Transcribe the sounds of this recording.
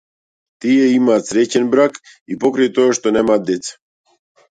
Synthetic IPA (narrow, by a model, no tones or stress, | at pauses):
t̪ijɛimaːt̪sɾɛt͡ɕɛnbɾak | ipokɾajt̪ojaʃt̪onɛmaːt̪̚d̪et̪sḁ